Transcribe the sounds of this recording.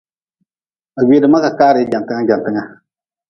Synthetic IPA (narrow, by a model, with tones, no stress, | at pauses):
a˨ɡʷeː˦dɨ˨ma˦ka˨kaː˦ɾɪ˨˦d͡ʒa˨n˨tɨ˦ŋa˦d͡ʒa˨n˨tɨ˦ŋa˦